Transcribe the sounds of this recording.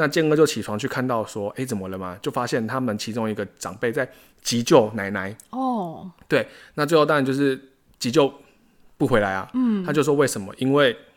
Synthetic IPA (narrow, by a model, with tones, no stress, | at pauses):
na˥˧t͡ɕjɛ˥˧ŋɤ˥˧t͡ɕjo˥˩t͡ɕʰi˨˩ʈ͡ʂʰwɑ˧˥ŋt͡ɕʰy˥˩kʰa˥˧nt̪ɑ˥˩ʊʂwɔ˦˥ʔe˥ɪt͡sə˨˩nmə˦lə˨ma˨t͡ɕjo˥˩ʊfa˦˥ɕjɛ˥˩nt̪ʰa˦mə˨nt͡ɕʰi˧˥ʈ͡ʂʊ˥ŋi˧˥ɡə˧ʈ͡ʂɑ̰˨˩ŋpe˥˩ɪt͡sa˥˩ɪ | t͡ɕi˧˥t͡ɕjo˥˩ʊna˧˥ɪna˧˥ɪɔ˥˩t̪we˥˩ɪna˥˩t͡swɪxo˥˧˩t̪a˨˦nt͡ɕjʊʂɻ̩˥˩ | t͡ɕi˧˥t͡ɕjo˥˧ʊ | pu˥˩xwe˧˥ɪla˨˧˦ɪɐ̰˨˥˩t̪ʰa˥t͡ɕjo˥˧ʂwɔ˥we˥˩ɪʂə˧˦nmə̰˦ʔi˥nwe˥˩ɪ